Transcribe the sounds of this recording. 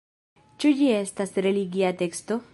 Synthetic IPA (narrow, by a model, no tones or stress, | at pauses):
t͡ʃud͡ʒiest̪asɾeliɡiat̪ekst̪o